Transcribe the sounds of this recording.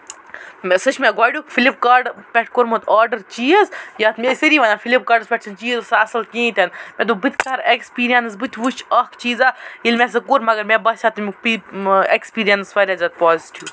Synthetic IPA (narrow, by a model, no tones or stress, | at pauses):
msɨt͡ʃʰmeɡaːɖukfilip̚kaːɾɖpʲɛʈʰkoɾmut̪aːɾɖɐɾt͡ʃijəzjɐt̪mʲesiɾiːʋɐnafʰilip̚kaːɾɖspʲɛʈ̚sʰɐnt͡ʃiːzsasɐlkĩːt̪ʲɐnmɛ̃d̪ubɨt̪ʰʲkaɾekspiːɾijɐnsbɨt̪ʲʰʋut͡ʃʰɐkt͡ʃiːzailʲmʲes̬ɐkuɾmɐɡɐɾmẽbɐsʲat̪mʲik̚piekspiːɾijɐnsfɐɾʲɐzɐt̪̚paːziʈiw